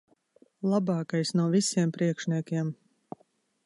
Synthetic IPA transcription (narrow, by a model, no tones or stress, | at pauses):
lˠabɑːkajsnuɔvisiɛmpɾiɛkʃnʲiɛkʲiɛm